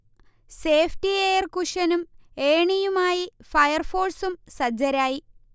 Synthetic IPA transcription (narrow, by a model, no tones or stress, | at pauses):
seːftieːjɐrkuʂɐnumeːɳijumaːjifɐjɐrfoːrsumsɐd͡ʑɐɾaːji